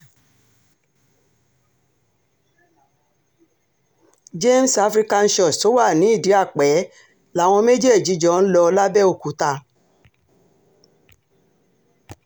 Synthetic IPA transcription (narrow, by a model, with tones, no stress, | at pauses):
d͡ʒe˦m˦sa˦fɾi˦ka˧n̩˦ʃɔ˨to˨˦wa˦˨nĩ˨˦i˦˨di˨˦a˦˨k͡pɛ˨˦ | la˨˦˨w̃ɔ̃˧me˦d͡ʒe˦˨d͡ʒi˨˦d͡ʒɔ˦n̩˦lɔ˧la˦bɛ˦o˨ku˨˦ta˧